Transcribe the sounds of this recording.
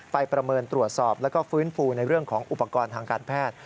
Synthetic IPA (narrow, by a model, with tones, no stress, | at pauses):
pa˧jpɾa˧mɤː˧nt̪ɾu˨˩ət̪̚sɔː˨˩p̚lɛː˦˥wkɔː˥˩fɯː˦˥nfuː˧na˧jɾɯ˥˩əŋkʰɔː˩˦ŋʔu˨˩pːa˧kɔː˧nt̪ʰaː˧ŋkaː˧npʰɛː˥˩t̪̚